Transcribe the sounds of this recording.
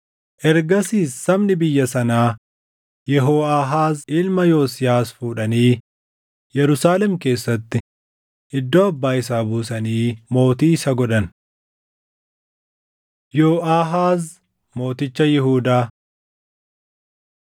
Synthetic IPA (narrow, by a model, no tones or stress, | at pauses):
ʔɛɾɡɐsiːsːɐbnɪbɪjːɐsɐnaː | jɛɦoːʔaːɦaːzɪlmɐjo̞ːsɪjaːsfuːᶑɐniː | jɛɾʊsaːlɛmke̞ːsːɐt̪ːɪ | ʔɪd̪ːo̞ːɐbːaːɪs̬aːbuːsɐniːmo̞ːt̪iːsɐɡɔᶑɐn | joːʔaːɦaːz | mo̞ːt̪ɪt͡ʃːɐjɪɦuːd̪aː